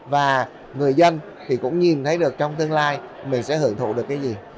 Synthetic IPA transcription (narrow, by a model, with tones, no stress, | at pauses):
vaː˨˩ | ŋɨ˨˩əjzə˧n | t̪ʰi˨˩kʊ̰˧˥ŋ͡mɲi˨˩nt̪ʰə˨˦jɗɨ˨˩ək̚t͡ɕɔ˧wŋ͡mt̪ɨ˧əŋlaː˧jmï˨˩ŋ̟sɛ̰˧˥hɨ˧˩əŋt̪ʰṵ˧˩ɗɨ˨˩əkːjzi˨˩